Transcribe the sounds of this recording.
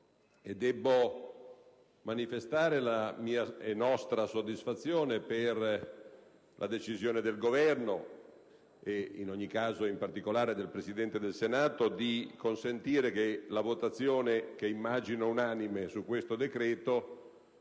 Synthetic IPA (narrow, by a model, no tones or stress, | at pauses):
ed̪ːɛbːo | manifest̪aːɾelamiːaenɔst̪ɾasod̪ːisfat̪sːjoːneper | lʔa̰d̪et͡ʃizjoːned̪elɡovɛrno | einoɲːikːaːzoimpart̪ikolaːɾed̪elpɾesid̪ɛnt̪ed̪elsenaːt̪od̪ikonsent̪iːɾekelavot̪at̪sːjoːnekeimːaːd͡ʒinounaːnimesukːwest̪od̪ekɾɛːt̪o